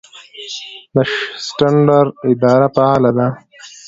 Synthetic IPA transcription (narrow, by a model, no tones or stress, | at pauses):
d̪əʃsʈaɳɖaɾɪd̪ɑːɾapaalad̪a